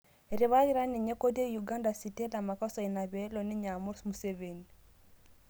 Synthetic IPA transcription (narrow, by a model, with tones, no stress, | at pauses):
e˨ɾi˨βa˦ɣi˦ɾa˦ni˨ɲe˦ko˦di˦e˦juɡa˦nda˨si˨te˦la˨ma˨kɔ˦sɔ˨i˨na˨βɛ˦lɔ˨ni˦ɲa˨mu˦ɾsmu˨se˦βe˨ni